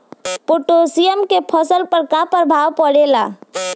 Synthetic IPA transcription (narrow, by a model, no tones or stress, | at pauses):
poʈosijəmkepʰɔsəlpəɾkapəɾbʱaːwpəɽela